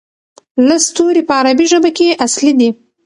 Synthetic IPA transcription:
last̪oɾipəaɾabiʒəbakeʔaslid̪i

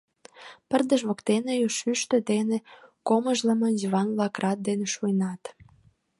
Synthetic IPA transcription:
pərd̪əʃβokt̪enejoʃyʃt̪ø̆d̪enekoməʒləmənjuβɑnβlɑkrʔɑt̪̚d̪eneʃujnɑt̪

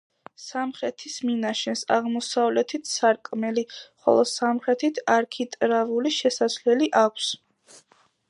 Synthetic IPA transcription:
samχɾɛt̪ʰisminaʃɛnsaʁmɔsavlɛt̪ʰit̪ʰsaɾkʼmɛliχɔ̰lˠɔsamχɾɛt̪ʰit̪ʰaɾkʰit̪ʼɾavuliʃɛsaslɛliʔakʷʰs

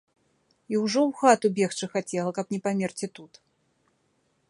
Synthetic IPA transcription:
iwʐɔwxat̪ubʲɛxt͡ʂɨxat͡sʲɛlˠɐkɐpnʲɛpamʲɛrt͡sʲit̪ut̪

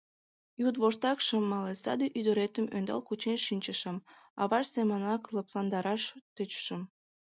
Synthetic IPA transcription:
jud̪βoʃt̪ɑkʃəmːɑlesɑ̰d̪eʔyd̪əɾet̪əmønd̪ɑ̰lkut͡ɕenʃinʲt͡ɕəʃə̆mɑ̰βɑrsemənɑkləplɑnd̪ɑɾɑʃt̪øt͡ɕʃəm

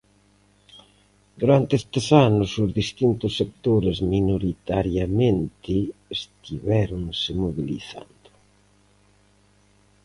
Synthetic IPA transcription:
d̪uɾant̪eest̪esanʊsʊzðist̪int̪ʊsːek̚t̪oɾezminoɾit̪aɾjamẽnt̪ɪest̪iβɛɾʊŋsɪmoβilḭθa̰nd̪̥ʊ̥

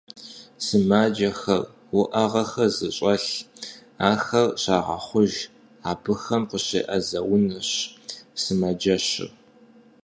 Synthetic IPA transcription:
sɨmaːd͡ʒɐxɐr | wʊʔɐʁɐxɐzɨɕʼɐɬ | aːxɐrɕaːʁɐ̰χʷʊʒ | aːbɨxɐmqəɕḛːʔɐzɐwʊnɨɕsɨmɐd͡ʒɐɕɪ̰

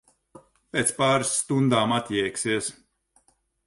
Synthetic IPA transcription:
pʲeːt̪spaːɾɨsːt̪und̪aːmat̪ʲjɛjksiɛs

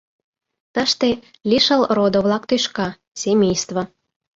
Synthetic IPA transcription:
t̪əʃt̪e | lʲiʃəlrod̪oβlɑkt̪yʃkɑ | semʲejst̪βo

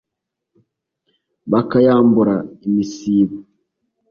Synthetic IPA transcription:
bakajambuɾaimisiːβu

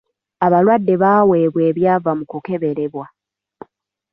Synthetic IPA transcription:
aβalwadːe̞βaːwe̞ːβwe̞ːβjaːvamukuke̞βe̞ɾe̞βwa

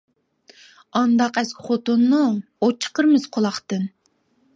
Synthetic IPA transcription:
ɑnd̪ɑqɛskʲɪ̥χot̪unːu | ot͡ʃʰːə̥qʰəɾmɨz̥qʰolˠɑχt̪ɨn

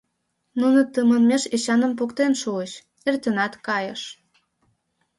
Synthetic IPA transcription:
nunə̆t̪əmə̆nmeʃeɕɑnə̆mpukt̪enʃuəɕ | ert̪ənɑt̪kɑjəʃ

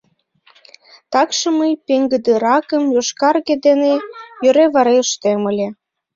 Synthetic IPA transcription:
t̪ɑkʃə̆məjpeŋɡəd̪əɾɑkəmjoʃkɑrɣed̪enejøɾeβɑɾeəʃt̪eməlʲe

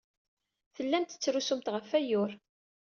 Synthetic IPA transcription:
θəlːænt̪ə̥t͡sːɾusumt̪ʁəfæjʊɾ

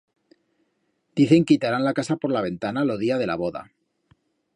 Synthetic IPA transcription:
d̪̥iθe̞ŋkit̪aɾanlakasapo̞ɾlaβe̞nt̪analo̞ðiað̞e̞la̰βo̞ða̰

